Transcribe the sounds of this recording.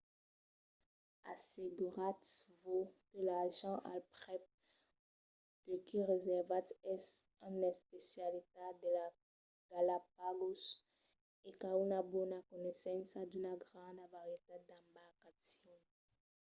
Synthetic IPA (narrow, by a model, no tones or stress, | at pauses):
a̰seɡyʁat̪vokəlaʒɑ̃ʔa̰lpʁɛp̚ | d̪̥əkiʁezɛʁvat̪ɛs | ɛ̃nɛspesjalit̪ad̪əla | ɡ̥alap̚aɡos | ekaunabɔnakɔnɛsɑ̃sad̪ynaɡʁɑ̃d̪avaʁjet̪ed̪ãbaʁkasjɔ̃